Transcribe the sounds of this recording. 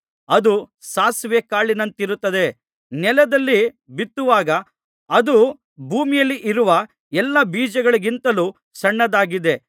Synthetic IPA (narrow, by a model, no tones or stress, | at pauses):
ɐd̪u | saːsʋjekaːɭinɐnt̪iɾut̪ːɐd̪e̞ | nɛlɐd̪ɐlːi | bit̪ːuʋaːɡɐ | ɐd̪u | bʱuːmijɐlːiʔiɾuʋɐ | ɛlːɐbiːd͡ʒɐɡɐɭiɡint̪ɐluː | sɐɳːɐd̪aːɡid̪e̞